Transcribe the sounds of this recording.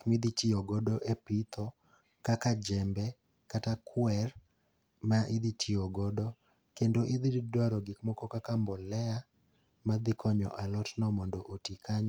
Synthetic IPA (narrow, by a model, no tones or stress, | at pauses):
kmid̪itiɔɡɔdɔʔepit̪ʰɔ | kakad͡ʒɛmbɛ | katakʰwɛr | maʔɪd̪itʰiɔɡɔdɔ | kendoʔɪd̪iddwaɾɔɡɪkmɔkɔkakambɔlɛa | mad̪ɪkʰɔɲɔ̰ʔalɔtnɔmɔndoʔotikaɲ